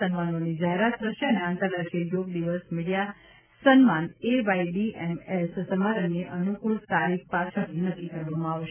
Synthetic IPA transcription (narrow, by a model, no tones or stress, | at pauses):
ənmanonid͡ʒaɦeɾat̪ɾəʃeəneãŋt̪ad̪əʃejoɡ̚d̪iʋəsmiɽija | sənmaneʋaiɖiemessəmaɾənːeʔənukuɭt̪aɾik̚ʰpat͡ʃʰəɾnəkːikəɾʋamãaʋʃ